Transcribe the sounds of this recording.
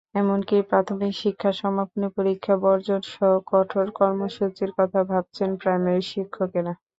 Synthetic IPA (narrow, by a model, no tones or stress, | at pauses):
ɛmonkipɾat̪ʰomikʃikʰːaʃɔmapʰonipoɾikʰːabɔɾd͡ʑonʃɔɦokɔʈʰoɾkɔɾmoʃut͡ɕiɾkɔt̪ʰabʱab̚t͡ɕʰenpɾajmaɾiʃikʰːokena